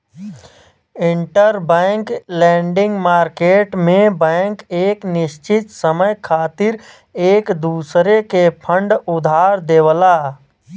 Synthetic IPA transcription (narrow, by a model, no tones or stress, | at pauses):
ɪ̃ɳʈəɾbɛŋklɛːɳɖɪ̃ŋɡmaːɾkeːʈmẽbɛ̃ŋkeːknɪʃt͡ʃɪt̪səməjkʰaːt̪ɪɾ | eːkd̪uːsɾekepʰə̃ɳɖʊd̪ʱaːɾd̪eːwlaː